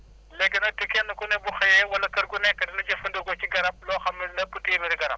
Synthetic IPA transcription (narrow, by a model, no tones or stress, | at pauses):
lekenatukenukunebuxejewalakaɾkunekadinad͡ʒefunduɡat͡ʃiɡaɾab̚loxamilaputijmiɾiɡaɾa̰b̚